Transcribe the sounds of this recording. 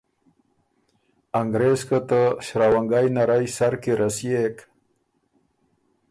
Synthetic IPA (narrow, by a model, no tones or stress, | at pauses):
aŋɡɾeskət̪əɕɾawaŋɡajnaɾajsaɾkiɾasijek